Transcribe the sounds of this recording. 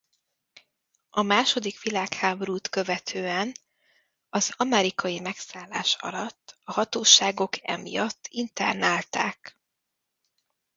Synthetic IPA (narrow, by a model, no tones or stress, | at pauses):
ɒmaːʃo̞d̪ikʋilaːkhaːboɾuːt̪kø̞vɛt̪ʰøːɛn | ɒz̥ɒmɛɾikʰɒjimɛksaːlːaːʃɒ̰lɒt̪ːɒhɒt̪oːʃaːɡo̞kʰɛ̰mḭjɒt̪ʰːint̪ɛ̰rnaːlt̪a̰ːk